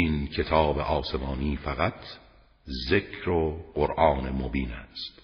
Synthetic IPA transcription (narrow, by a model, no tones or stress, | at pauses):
inkʰe̞t̪ʰɒːbeʔɒːse̞mɒːniːfæɣæt̪ʰ | zekʰɾoɢoɾʔɒːnemobiːnæ̰st̪